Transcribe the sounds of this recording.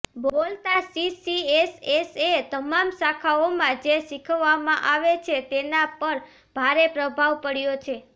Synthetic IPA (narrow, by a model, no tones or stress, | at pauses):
bolt̪asisieseset̪əmamsakʰaomãd͡ʒeʃikʰʋːamãʔaʋet͡ʃʰet̪enapəɾ | b̥ʱaɾepɾəbʱaʋpəɽjot͡ʃʰe